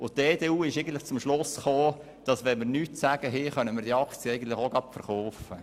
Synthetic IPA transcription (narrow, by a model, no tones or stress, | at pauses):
ʊtd̥eːdeːuːɪʃɛɪɡən̩tlɪχt͡sʊmʃlʊsχoː | d̥ɑsʋɛnməɾnyːtsæɡ̥əɦeχœnəmɪːɾdiːɑkt͡sijəɛɪjɡən̩tlɪχoɡɑpfəɾχoʊfə